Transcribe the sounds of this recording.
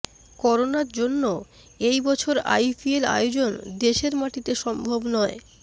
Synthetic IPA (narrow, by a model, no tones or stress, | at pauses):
kɔɾonaɾd͡ʑonːo | ejbɔt͡ɕʰoɾa̰jfiela̰jod͡ʑond̪eʃeɾmaʈit̪eʃɔmbʱobnɔe